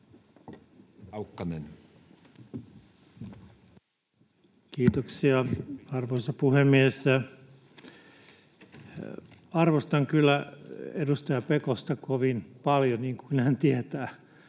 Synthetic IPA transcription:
ukːɑnen | kiːt̪oksiɑɑrʋoisɑpuhemːiesæ | ɑrʋost̪ɑŋkylːæedust̪ɑjɑpekost̪ɑkoʋinpɑljoniːŋkuinhænt̪iæt̪æː

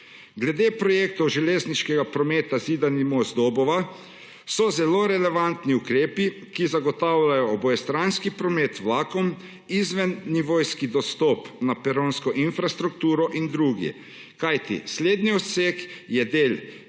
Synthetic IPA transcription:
ɡlɛd̪eːpɾɔjekt̪ɔʒɛleːzniʃkɛɡapɾɔmeːt̪aziːd̪animɔzd̪ɔbɔʋa | sɔzɛloːɾɛlɛʋant̪niukɾeːpi | kizaɡɔt̪awlajɔːbɔjɛst̪ɾanskipɾɔmeːt̪wlaːkɔm | izʋɛnːiʋojskid̪ɔst̪ɔpnapɛɾonskɔʔinfɾast̪ɾuk̚t̪uːɾɔʔind̪ɾuɡɛ̰ | kajt̪ḭsleːd̪niɔseːkjɛd̪eːl

